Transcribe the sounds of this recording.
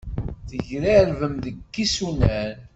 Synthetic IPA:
θəʝɾæɾvəmðəkːisunæn

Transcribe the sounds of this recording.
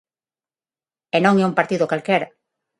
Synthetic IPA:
enõŋɛumpaɾt̪iðokalkeɾa

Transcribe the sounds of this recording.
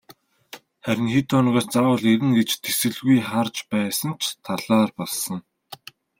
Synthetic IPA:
χæɾʲɪ̆nxiːt̪ʰʊːnʁaːrt͡sawʊːɮeɾɘ̆nɡet͡ɕt̪ʰesɘ̆ɮɣujχart͡ɕpæːsə̆n̥t͡ɕʰt̪ʰaɮaːrpɔɮsə̆ŋ

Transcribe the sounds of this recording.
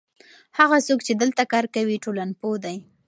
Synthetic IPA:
haɣasokt͡ʃed̪əlt̪akɑɾkawiʈolanpod̪aj

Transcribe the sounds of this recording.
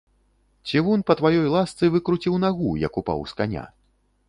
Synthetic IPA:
t͡sʲivɔnpɐt̪vajɔjlˠast̪sɨvɨkɾut͡sʲiwnaɣujɐ̰kupa̰wskanʲa̰

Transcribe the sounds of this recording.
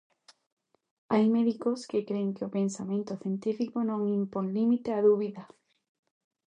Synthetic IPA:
ajmeðikoskekɾeŋkɪʊpẽnsamẽnt̪ʊθjent̪ifikonõŋimpoŋlimit̪eaðuβiðɐ

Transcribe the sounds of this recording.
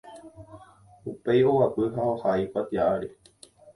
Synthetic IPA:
upe̞jowapɨɦaohajkʷat̪iaaɾe

